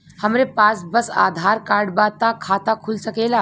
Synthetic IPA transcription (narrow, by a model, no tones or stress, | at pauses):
həmɾepaːsbəsa̰d̪ʱaɾkaɾɖbat̪akʰaːt̪akʰulsəkela